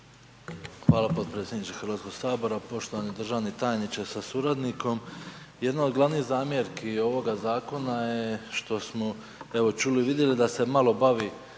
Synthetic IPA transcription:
xʋaːlapo̞d̪̚pɾe̞t̪sʲjed̪nit͡ʃ̪exəɾʋat̪ko̞ɡ̥saːbo̞ɾapo̞ʃt̪o̞ʋanid̪ɾr̩ʒaːʋnet̪aːjnit͡ʃesasuɾad̪niko̞mje̞d̪nao̞d̪ɡlˠaʋniːhzaːmjeɾkio̞ʋo̞ɡazaːko̞najeʃt̪o̞smo | eʋo̞t͡ʃuːliʋid̪jelid̪ase̞malo̞baʋi

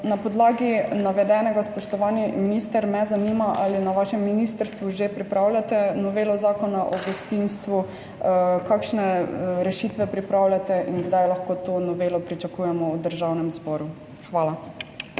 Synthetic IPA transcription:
napɔd̪laːɡinaʋɛd̪ɛnɛɡaspɔʃt̪ɔʋaːniminist̪əɾmɛzanimaʔalinaʋaːʃɛmːinist̪əɾst̪ʋuʒepɾipɾawlʲjat̪ɛnɔʋeːlɔzaːkɔnaʔɔɡɔst̪inst̪ʋu | kakʃnɛɾɛʃit̪ʋɛpɾipɾawlʲjat̪ɛʔinɡd̪ajlaxkoːt̪oːnɔʋeːlɔpɾit͡ʃakuːjɛmɔwd̪əɾʒawnɛmzbɔɾu | xʋaːla

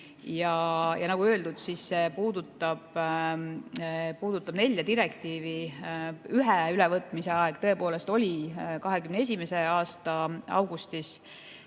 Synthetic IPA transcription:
jɑjɑnɑɡ̥uø̞ld̪ud̪̥sisːe̞puːd̪ut̪ːˑɑb̥ | puːd̪̥ut̪ːˑɑb̥ne̞lʲːjɑd̪iɾekt̪iːvi | yɦɛylɛvɤt̪ˑmise̞ɑeɡ̥̚t̪ɤe̞po̞ːle̞st̪o̞lʲikɑɦe̞kymnees̬ʲimese̞ɑːst̪ɑɑ̰wɡust̪is

